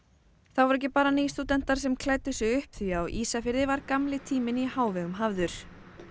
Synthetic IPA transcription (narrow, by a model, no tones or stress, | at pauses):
θawvɔɾɛhcːɪpaːɾaniːst̪uːt̪ɛn̥t̪aɾ̥sɛmkʰlaːjt̪ʏsɛʏhpθiawʔiːsafɪɾðɪvaɾkamlɪt̪ʰiːmɪnihaːwvɛɣʏmɦavðʏɾ̥